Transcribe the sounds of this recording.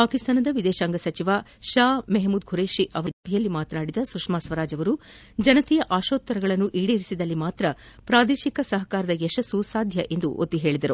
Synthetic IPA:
paːkist̪ʰaːnɐd̪ɐʋid̪ɛːʃaːŋɡɐsɐt͡ʃiʋaʃaːmɛɦmuːd̪ɡʱuɾeːʃiʔɐʋɐɐbʱɛjɐlːimaːt̪ɐnaːɽid̪ɐsukʂmaːsʋɐɾaːd͡ʒɐʋɐɾu | d͡ʒɐnɐt̪ijɐʔaːʃoːt̪ːɐɾɐɡɐɭɐnːuʔiːɽiɾisid̪ɐlːimaːt̪ɾɐpɾaːd̪eːʃikɐsɐɦɐkaːɾɐd̪ɐɛʃɐsːusaːd̪ʱjɐʔe̞nd̪ṵʔo̰t̪ːiɦe̞ːɭid̪ɐɾu

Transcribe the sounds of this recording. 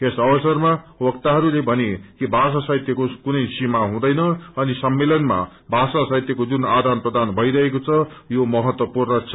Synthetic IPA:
esʌbʌsʌrmawʌk̚t̪aɦʌɾulebʱʌnekibʱas̬asajt̪jʌkokunʌjsimaɦũd̪ʌjnʌʌnisʌmːelʌnma̰ | bʱasasajt̪jʌkod͡zunad̪anprʌd̪ʱanbʱʌjɾʌɦekot͡sʰʌjomʌɦʌt̪wʌpurnʌt͡sʰʌ

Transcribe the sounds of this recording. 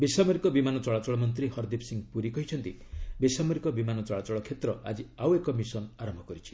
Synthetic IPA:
bisamɔɾikɔbimanɔt͡ʃɔɭat͡ʃɔɭɔmɔnt̪̬ɾihɔɾd̪ipsiŋɡpuɾikɔɦit͡ʃʰɔnt̪ibisamɔɾikɔbimanɔt͡ʃɔɭat͡ʃɔɭɔkʰet̪ɾɔad͡ʒiawekɔmisɔnaɾɔmbʱɔkɔɾit͡ʃʰi̥

